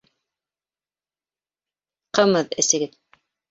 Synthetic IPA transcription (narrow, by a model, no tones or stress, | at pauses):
qɤmɤðɘ̰̆sɘ̆ɡɘð